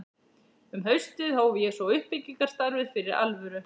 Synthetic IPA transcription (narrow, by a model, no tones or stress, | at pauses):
ʏmɦœɥst̪ɪðhoːwvɪjɛsvɔʏhpɪcːiŋkaɾ̥st̪aɾvɪðfɪɾɪɾa̰lvʏɾʏ